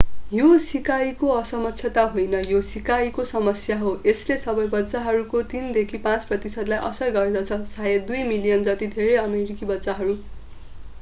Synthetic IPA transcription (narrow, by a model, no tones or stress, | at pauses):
josikajkoʌsʌmʌt̪ːsʰjʌt̪aɦojnʌjosikajkosʌmʌsjaɦoeslesʌbʌjbʌtːsaɦʌɾukot̪ind̪ekʰipãt͡sprʌt̪isʌd̪lajʔʌsʌrɡʌɾed̪ʌt͡sʰʌsajed̪ujmilijʌnd͡zʌt̪id̪ʱeɾejʌmeɾikibʌtːsaɦʌɾu